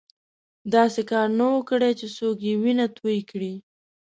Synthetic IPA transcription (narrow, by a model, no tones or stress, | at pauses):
d̪ɑsekɑɾnawəkɽet͡ʃesokjewinat̪wəjkɽi